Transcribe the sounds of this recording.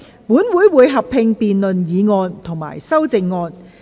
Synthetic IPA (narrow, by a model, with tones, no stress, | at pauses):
muː˨˥nwuː˨˥jwuː˨˧jɦɐ˨pʰɪ˧ŋpiː˨nlɵ˨njiː˨˧ŋɔː˧nt̪ʰʊ˨˩ŋma̰ː˨˩jsɐ˥wt͡sɪ˨˧ŋːɔː˧n